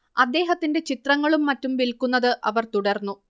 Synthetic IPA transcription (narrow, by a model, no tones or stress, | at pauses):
ɐd̪ːe̞ːɦɐt̪ːinde̞t͡ɕit̪rɐŋːɐɭumːɐtːumʋilkunːɐðɨʔɐ̰ʋɐrt̪uɽɐrnːu